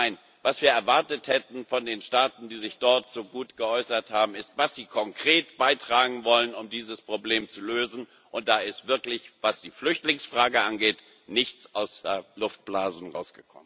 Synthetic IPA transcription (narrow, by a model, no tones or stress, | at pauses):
naɪn | vasv̥iːɐɛɐvaɐtəthɛtn̩fɔndeːnʃtaːtn̩d̥iːzɪçd̥ɔɐtz̥oːɡuːtɡ̥əʔɔʏsɐthaːbm̩ɪstv̥asz̥iːkʰɔŋkʁ̥eːtb̥aɪtʁ̥aːɡŋ̩vɔlənʊmdiːzəspʁ̥obleːmt͡suløːzn̩ | ʔʊnt̚d̥aːɪstv̥ɪɐklɪçvasd̥iːflʏçtlɪŋsfʁ̥aːɡəʔanɡeːt | nɪçt͡sʔaʊsɛlʊft̚b̥laːzn̩ʁa̰ʊsɡ̥əkʰɔ̰mən